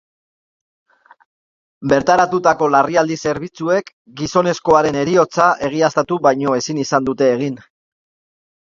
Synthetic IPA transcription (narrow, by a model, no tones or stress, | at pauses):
be̞ɾt̪aɾat̪ut̪ako̞lariald̪ise̞ɾβit͡sue̞k | ɡiso̞ne̞sko̞aɾe̞ne̞ɾio̞t͡saʔe̞ɣ̞iast̪at̪uβajɲo̞e̞sinisand̪ut̪e̞ːɣ̞in